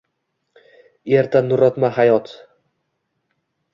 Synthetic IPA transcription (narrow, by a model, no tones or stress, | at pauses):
eɾt̪ʰanːʊɾɒt̪maɦajɒt̪